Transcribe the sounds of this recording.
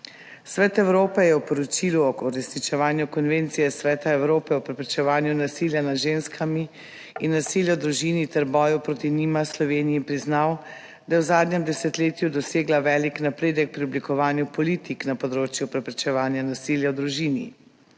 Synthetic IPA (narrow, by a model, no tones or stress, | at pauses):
sʋɛːt̪ɛwɾoːpɛjɛwpɔɾɔt͡ʃiluɔɔɾɛsnit͡ʃɛʋaːnjukɔnʋeːnt̪sijɛsʋɛːt̪aɛwɾoːpɛɔpɾɛpɾɛt͡ʃɛʋaːnjunasiljanad̪ʒenskʰamiː | nːasiljad̪ɾuʒinit̪ɛɾbɔːjupɾot̪inimaslɔʋeːnijipɾiznaw | d̪̥ajɛwzaːd̪nɛmd̪ɛsɛt̪leːt̪jud̪ɔseːɡlaʋɛːliknapɾeːd̪ɛk̚pɾiɔblikɔʋaːnjupɔlit̪iknapɔd̪ɾoːt͡ʃjupɾɛpɾɛt͡ʃɛʋaːnjanasiːljawd̪ɾuʒiːnḭ